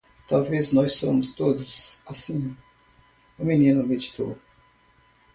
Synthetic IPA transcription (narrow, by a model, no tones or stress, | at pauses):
t̪awveznɔssõ̰mʊst̪od̪ʊsasĩ | ʊmĩnĩnʊmed͡ʒit̪o̰